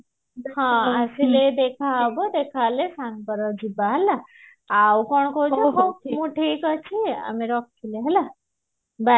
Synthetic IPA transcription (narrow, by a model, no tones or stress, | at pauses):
ɦãəsiled̪ekʰabɔd̪ekʰalesãŋpəɾɔd͡ʒibaɦɛla | awkɔɳ̃kooɦomũʈʰiːkɔt͡ʃʰia̰meɾɔkkʰileɦɛla | ba